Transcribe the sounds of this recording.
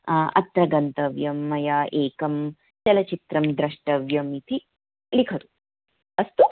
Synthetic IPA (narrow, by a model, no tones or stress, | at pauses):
ɐ̰t̪ɾɐɡɐnt̪ɐʋjɐmːɐjaːʔeːkɐm | t͡ʃɐlɐt͡ʃit̪ɾɐmd̪ɾɐʂʈɐʋjɐmit̪ʰi | likʰɐt̪u | ɐst̪u